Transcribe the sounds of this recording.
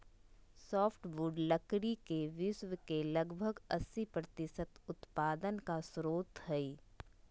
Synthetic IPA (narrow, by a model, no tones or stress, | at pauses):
sɔːpʰʈʋuːɖləkɽikeʋɪswəkelɐɡbʱəɡɐsːipɾət̪ɪsət̪ʊt̪paːd̪ənkasɾoːt̪ɦɛi